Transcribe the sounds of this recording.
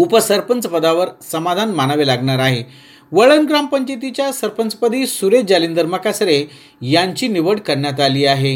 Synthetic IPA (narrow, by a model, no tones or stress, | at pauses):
upəsəɾpənt͡səpəd̪aʋəɾsəmad̪ʱanmanəʋelaɡɳaɾaɦe | ʋəɭənɡɾampəɲt͡ɕit̪it͡ɕjasəɾpənt͡səpəd̪ʱiːsuɾed͡ʑalind̪əɾməkasɾe | jaɲt͡ɕiːniʋəɽkəɾɳjat̪aliːaɦe